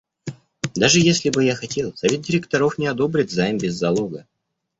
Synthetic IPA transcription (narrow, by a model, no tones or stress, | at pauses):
d̪aʐɨjesʲlʲɪbɨjaxɐtʲe̞lˠsɐvʲe̞t̪̚dʲɪɾʲɪk̚t̪ɐɾo̞fnʲɪɐd̪o̞bɾʲɪtʲzajmbʲɪzːɐlˠoɡə